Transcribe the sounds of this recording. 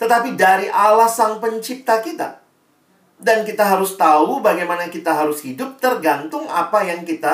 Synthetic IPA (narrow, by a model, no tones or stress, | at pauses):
t̪ət̪apidaɾiʔalahsaŋpəɲt͡ʃip̚t̪akit̪a̰ | dankit̪aɦaɾʊst̪aubaɡajmanakit̪aɦaɾʊshidʊp̚t̪ərɡant̪ʊŋa̰pajaŋkit̪a